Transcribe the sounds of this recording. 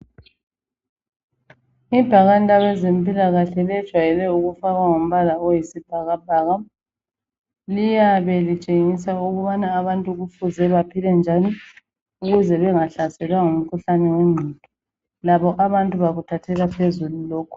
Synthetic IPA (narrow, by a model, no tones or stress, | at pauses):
ib̥ʱaɣandʼʱawɛzempʼilaɣaɬɛlɛd̥ʒ̥ʱwajɛlɛuɣufaɣaŋom̩βalaojisib̥ʱaɣab̥̚ʱaɣa | lijaβɛlit͡ʃʼeŋisauɣuβanaːβantʼuɣufuzɛβapʰilɛnd͡ʒʱani | uɣuzɛβɛŋaɬasɛlwaŋum̩kʰuɬanɛweŋ͡ǀʱitʼɔ | laβɔʔaβantʼuβaɣutʰatʰɛlapʰezululɔːkʰɔ̥